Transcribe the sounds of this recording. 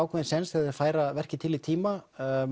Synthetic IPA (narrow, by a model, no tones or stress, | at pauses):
aːwkʰɛðɪnsɛnsɛðɪfaːjɾavɛr̥cɪt̪ʰɪlit̪ʰiːma